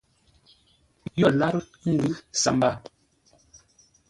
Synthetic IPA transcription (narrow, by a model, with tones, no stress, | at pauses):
jɔ˦˨la˦ɾŋ̩˦˨ɡʉ˦sa̰˨mba˦˨